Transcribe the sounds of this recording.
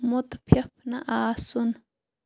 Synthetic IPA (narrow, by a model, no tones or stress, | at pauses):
mʊt̪pʰjɐp̚ʰnaʔaːsun